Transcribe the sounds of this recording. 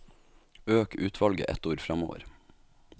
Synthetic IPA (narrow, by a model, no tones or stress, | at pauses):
øːkʉːt̪ʰʋɑlɡə̰ʔɛt̪uːɾfɾɑmo̰ːʋə̰ɾ